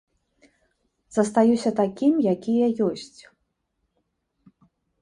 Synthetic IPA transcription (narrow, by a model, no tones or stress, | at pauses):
z̥ɐst̪ajusʲɐt̪akʲimjakʲijɐjɔsʲt͡sʲ